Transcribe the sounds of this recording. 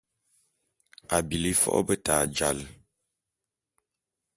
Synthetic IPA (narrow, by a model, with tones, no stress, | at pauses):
a˨bi˨li˦fɔ̰˦ʔbə˦taː˨d͡ʒa˨l